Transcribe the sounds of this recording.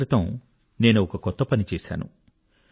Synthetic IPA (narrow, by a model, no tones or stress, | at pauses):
ɾit̪õː | neːnuɔkɐkɔt̪ːɐpɐnit͡ʃeːsa̰ːnṵ